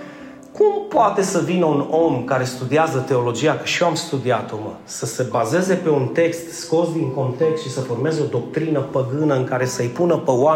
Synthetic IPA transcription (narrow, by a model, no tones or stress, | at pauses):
kumpoat̪e̞səvinəuno̞mkaɾe̞st̪ud̪iazət̪e̞o̞lo̞d͡ʒijakə̥ʃioamst̪ud̪iat̪omə | səse̞baze̞ze̞pe̞unt̪e̞kst̪sko̞sd̪iŋko̞nt̪e̞kst̪ʃisəforme̞zeo̞d̪o̞k̚t̪ɾinəpəɡɨnəɨŋkaɾe̞səjpunəpəwa